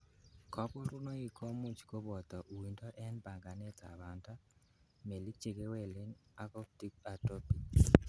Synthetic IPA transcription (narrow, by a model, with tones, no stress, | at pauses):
kɔ˦pɔ˦ɾʊ˦no˦i˨kʰo˦mu˦t͡ʃko˦bɔ˨t̪ɔ˨ʔu˨wi˨ndɔ˦ʔɛ˦nba˨ŋɡa˨nɛ˦ta̰˨ba˨nta˦ | me˨li˦k̚t͡ʃe˨ɡe˦wɛ˨lɪ˦na˦ko˦p̚ti˦ka˨to˦pi˨